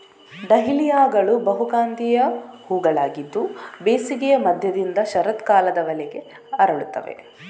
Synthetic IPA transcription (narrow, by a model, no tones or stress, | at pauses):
ɖɐɦilijaːɡɐɭubɐɦuɡaːnd̪ijɐhuːɡɐɭaːɡid̪ːubeːsiɡɛjɐmɐd̪ʱjɐd̪ind̪ɐʃɐɾɐt̪kaːlɐd̪ɐʋɐlɛɡe̞ | ɐɾɐɭut̪ːɐ̰ʋe̞̰